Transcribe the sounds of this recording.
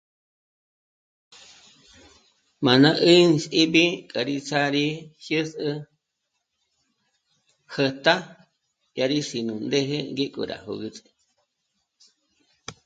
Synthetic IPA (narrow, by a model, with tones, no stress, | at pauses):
mã˨nã˦ʔɨ˦n˧si˦bi˦kʼə˨ɾi˧t͡sʰa˦ɾi˦hjɨ˦sɨ˧ | hə˧t̪a˦ | ja˧ɾi˦si˨nũ˨nd̪e˦ɦe˦ŋɡe˦kʼṵ˨ɾa̰˨ho̰˧ɣɨ˧t͡sʼɨ̥˧